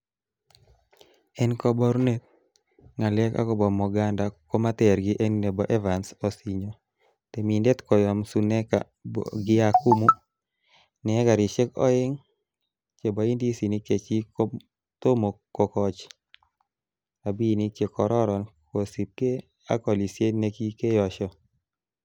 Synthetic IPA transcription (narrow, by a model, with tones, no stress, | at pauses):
ɛ˦nkɔ˦bɔ˦ɾne˦t̪̚ | ŋa˨lɛ˦ka̰˦kɔ˦bɔ˨mɔ˨ɡa˦nda˨ko˦ma˦t̪ɛ˨ɾɡɪ˦ʔɛ˦nne˨bɔ˨ʔɛ˦va˨nsɔ˨si˨ɲo˨ | t̪e˨mi˨nde˦t̪kɔ˨jɔ˨msu˨ne˦ka̰˨ | ɡɪ˦a˨ku˦mu˦ | nɛ˨ɛ˦ɡa˨ɾi˨ʃe˦kɔ̰˦ɪ˦ŋ | t͡ʃe˨bɔ˨˦i˦ndi˦si˨ni˦ke˨t͡ʃi˦ko˦ | t̪o˦mo˨ko˨kɔt͡ʃ | a˨bi˦ni˦kje˨kʰɔ˨ɾɔ˦ɾɔ˨nko˨si˨t̚ke˦ | a̰˦kɔ˨li˨sje˦ne˦ki˦ke˦jɔ˨ʃɔ˦